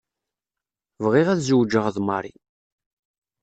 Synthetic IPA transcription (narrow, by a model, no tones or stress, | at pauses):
vʁiʁæðzuwd͡ʒəʁðmɑ̰ɾˤḭ